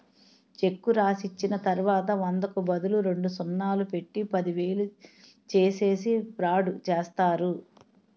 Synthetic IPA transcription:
t͡ʃe̞kːuɾaːsit͡ʃːinɐt̪ɐɾʋaːt̪ɐʋɐnd̪ɐkubɐd̪uluɾe̞ɳɖusɔnːaːlupe̞ʈːipɐd̪iʋe̞ːlu | t͡ʃeːse̞ːsipɾaːɖut͡ʃeːst̪aːɾu

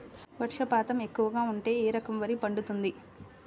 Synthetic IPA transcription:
ʋɐʈʂɐpaːt̪ɐme̞kːuʋɐɡaːuɳʈe̞ːeːɾɐkɐmʋɐɾipɐɳɖut̪und̪i

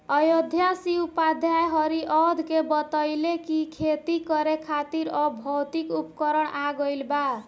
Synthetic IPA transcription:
ʌjod̪ʱjasiupad̪ʱjajɦɔɾiʔɔd̪ʱkebət̪ɔjlekikʰet̪ikɔɾekʰat̪iɾɔbʱɔwt̪ikupkəɾəɽaɡəjlba

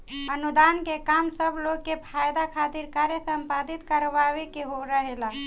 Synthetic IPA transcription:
ənud̪ankekamsəbʱloɡ̚kepʰajd̪akʰat̪iɾkaɾjəsəmpad̪it̪kəɾbawekeɦoɾəɦela

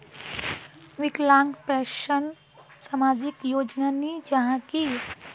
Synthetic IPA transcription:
ʋɪklãːŋɡpɛːʃən | samaːd͡ʒɪkjoːd͡ʒnanid͡ʒɐɦãki

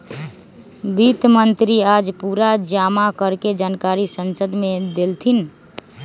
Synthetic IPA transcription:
bit̪mənt̪ɾiad͡ʒpuɾad͡ʒamakəɾked͡ʒaːnkaɾisənsəd̪med̪elt̪ʰin

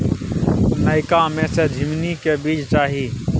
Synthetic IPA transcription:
nəɪkamẽsed̪ʱɪmnikebiːt͡ʃt͡ʃaːɦi

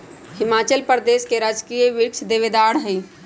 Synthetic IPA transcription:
hɪmaːt͡ʃəlpəɾd̪eːskeɾad͡ʒkijeʋiɾkt͡ʃʰd̪eʋed̪aːɽɦəi

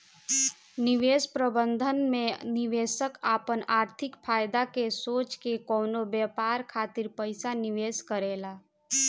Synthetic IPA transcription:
niʋeːspɾəbənd̪ʱənmẽniʋeːsəkaːpənaːɾt̪ʰɪkpʰaːjd̪akesoːt͡ʃkekoːnobɛpaːɾkʰaːt̪ɪɾpəɪsaniʋeːskəɾeːlaː

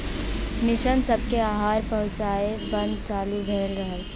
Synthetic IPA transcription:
mɪʃənsəb̚ʱkeaɦaːɾpəɦʊ̃t͡ʃaebə̃nd̪̚t͡ʃaːlubʱeːlɾəɦəl

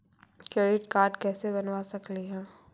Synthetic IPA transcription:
keːɾɪʈkaːɾɖkɛːsebɐnwasɐkliɦɛ̃ː

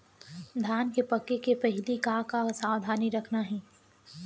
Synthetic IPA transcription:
d̪ʱjaːnkepɐkːekepɛɦlikaːkasaːwd̪ʱaːniɾɐkʰnaɦɛː

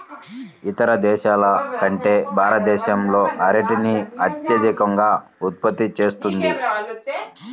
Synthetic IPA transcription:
it̪ɐɾɐd̪ɛːʃaːlɐkɐɳʈeːbʱaːɾɐt̪̚d̪ɛːʃɐmlo̞ːʔɐɾɐʈiniɐt̪jɐd̪ikɐŋɡaːut̪̚pɐt̪ːit͡ʃe̞ːst̪und̪i

